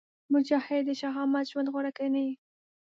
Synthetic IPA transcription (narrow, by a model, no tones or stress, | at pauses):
mʊd͡ʒahɪd̪əʃaɦɑmat̪ʒwand̪ɣoɾakajnaji